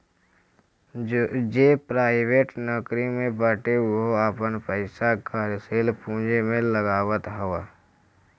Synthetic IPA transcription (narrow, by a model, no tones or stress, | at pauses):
d͡ʒeːpɾaːɪweːʈnɔkɾimẽbəʈeʊɦoaːpənpəɪsakaːɾseːlpũːd͡ʒemẽləɡaːwət̪ɦəʋa